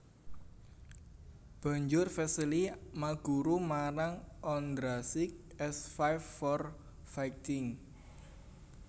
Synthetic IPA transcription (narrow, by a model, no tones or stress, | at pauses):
b̥a̤ɲd͡ʒʊrfɛsəlimaɡ̥uɾumaɾaŋʔɔnd̪ɾasɪk̚ | ɛsfajfɔr | fajt̪ɪŋ